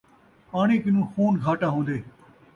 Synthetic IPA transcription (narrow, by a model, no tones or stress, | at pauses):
aːɽ̃eːkɪnũːxuːnɡʱaːʈãːɦõːnd̪eː